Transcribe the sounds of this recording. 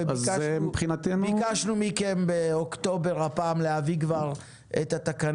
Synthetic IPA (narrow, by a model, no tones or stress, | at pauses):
azmipχinat̪enuikaʃnumikenbe̞okt̪o̞be̞ʁhapaːmleavikvaʁ | et̪at̪akan